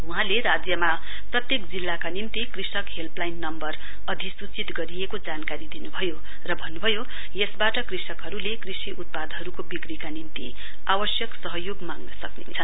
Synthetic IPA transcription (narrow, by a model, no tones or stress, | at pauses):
ɦũɦãleɾad͡zjʌma | prʌt̪jekd͡zilːakanimt̪ikrisʌkɦelplajnːʌmbʌr | ʌd̪ʱisut͡sit̪ɡʌɾijekod͡zankaɾid̪inubʱʌjo | rʌbʱʌnːubʱʌjo | jesbaʈʌkrisʌkɦʌɾulekrisiʔut̪̚pad̪ʱɦʌɾukobikrikanimt̪ḭ | awʌsjʌksʌɦʌjoɡmaŋnʌsʌknḭnt͡sʰʌn